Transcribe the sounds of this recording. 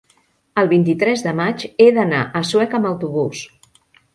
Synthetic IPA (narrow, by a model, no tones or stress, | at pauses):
əlˠβint̪it̪ɾɛzðəmat͡ʃeðəna̰ʔəswɛkəmbəwt̪uβ̞us